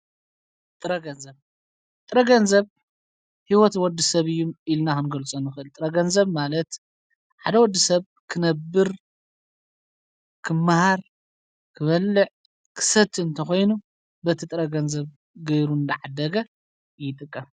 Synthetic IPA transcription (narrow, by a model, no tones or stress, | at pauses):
t̪ʼɨɾɐɡɐnzɐβ | t̪ʼɾɐɡɐnzɐβ | hiwɔt̪wɔd̪ːɨsɐβɨjːumilnaxɨnɡɐlt͡sʼonːɨxɨɨlt̪ʼɨɾɐɡɐnzɐβmalɐt̪ | ħad̪ɐwɔd̪ːisɐβ | kʰɨnɐbːɨɾ | kʰɨmːahaɾ | kʰɨβɐlːɨʕ | kʰɨ̥sɐt̪ːɨnt̪ʰɐxo̞jnu | bɐt̪ʰit̪ʼɨɾɐɡɐnzɐβ | ɡɐjɾuɨnd̪ɐʕad̪ɐɡɐ | jɪt̪ʼɨkʼːɐm